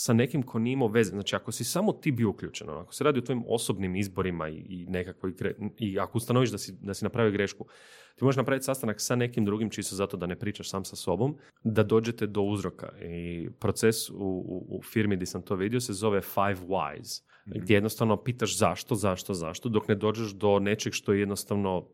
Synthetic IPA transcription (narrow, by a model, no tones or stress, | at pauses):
sane̞kimkʰo̞niimaʋe̞zeznaːt͡ʃiakosisamo̞t̪iːbioukʎuːt͡ʃeno̰a̰ko̥seɾaːd̪iot̪ʋo̞imo̞̰sobnimizbo̞ɾima̰ḭːne̞kakʋoiɡɾeiakoust̪anoʋiʒd̪asid̪asinapɾaʋijoɡɾeʃku | t̪imo̞ʒeʃnapɾaʋit̪ʲsast̪anaksane̞kimd̪ɾuɡimt͡ʃisozat̪od̪ane̞pɾiːt͡ʃaʃsaːmsaso̞bo̞m | d̪ad̪o̞ːd͡ʒe̞t̪ed̪o̞uzɾo̞ka̰ipɾo̞t̪sesṵfiɾmid̪isant̪o̞ʋid̪io̞sezo̞ʋefajʋwa̰jz̥ | ɡd̪jejenost̪aʋno̞piːt̪aʃzaʃt̪o̞zaʃt̪o̞za̰ʃt̪od̪o̞kne̞d̪o̞ːd͡ʒeʃd̪o̞ne̞t͡ʃeɡʃt̪ojejed̪nost̪aʋno̞